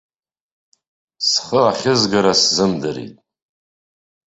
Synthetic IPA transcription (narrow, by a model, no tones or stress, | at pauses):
sχəaχʲɪzɡaɾaszɨmdɨɾḭtʼ